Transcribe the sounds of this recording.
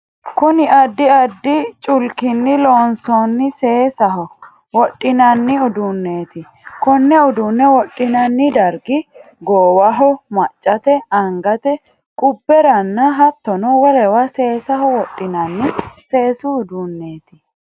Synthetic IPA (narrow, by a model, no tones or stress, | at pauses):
kʊnɪʔɐd̪ːɪɐd̪ːɪt͡ʃʼʊlkɪnːɪloːnsɔnːɪseːsɐɦɔ | wɔɗʼːɪnɐnːɪʊd̪ʊnːeːt̪ɪ | kɔnːɛʊd̪ʊnːɛwɔɗʼːɪnɐnːɪd̪ɐɾɡɪ | ɡoːwɐɦɔmɐt͡ʃʼːɐt̪ɛɐŋɡɐt̪ɛ | kʼʊbːɛɾɐnːɐɦɐt̪ːɔnɔwɔlɛwɐse̞ːsɐɦɔwɔɗʼːɪnɐnːɪse̞ːsʊːd̪ʊnːe̞ːt̪ɪ